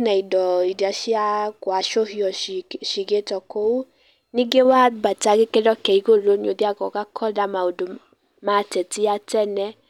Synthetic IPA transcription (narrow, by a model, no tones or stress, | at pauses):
naidɔidiaʃiakoaʃoɦiɔʃiɡetɔkou | nĩɡewabataɡekedɔkɛiɡolonĩodiaɡɔkakʰɔdamaodo | mãːtɛtiatɛnɛ